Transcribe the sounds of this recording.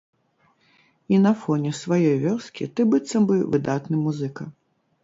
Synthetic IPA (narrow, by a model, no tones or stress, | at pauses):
inɐfɔnʲɛsvajɔjvʲɔrskʲit̪ɨbɨt̪sːɐmbɨwvɨd̪at̪nɨmuzɨkɐ